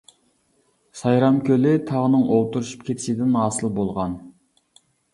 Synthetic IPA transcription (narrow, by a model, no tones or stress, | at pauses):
sɑjɾɑmkʲølɪt̪ʰɑʁənɨŋolˠt̪uɾuʃu̥p̚kʲʰet̪ʰɪ̥ʃɪd̪ɪnɑːsɨlˠbolˠʁɑn